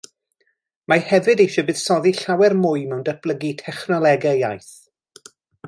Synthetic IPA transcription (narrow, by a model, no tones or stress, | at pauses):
mahɛvɨdejʃɔbɨð̥sɔðiɬawɛrmʊɨmɛwndəb̥lˠəɡitʰɛχnɔlˠɛɡajajθ